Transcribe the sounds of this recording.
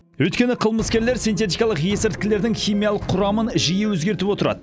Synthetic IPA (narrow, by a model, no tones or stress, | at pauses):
wɵjt̪kʲe̞nɪqʰəlˠməskʲe̞ɾle̞ɾsint̪e̞t̪̬ijkɑlˠəqjesɪɾt̪̚kʲɪle̞ɾd̪ɪŋχʲijmijɑlˠəqʰːʊɾɑmənʒijɪwɵzɡʲe̞ɾt̪ɪpwo̞t̪əɾɑ̰d̪ə